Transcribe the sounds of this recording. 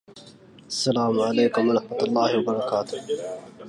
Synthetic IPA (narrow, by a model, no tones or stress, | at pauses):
ʔasːalaːmʕalejkʊmwɑɾˤɑħmat̪alˤːaːhɪwabɑɾˤɑkaːt̪ʊ̥h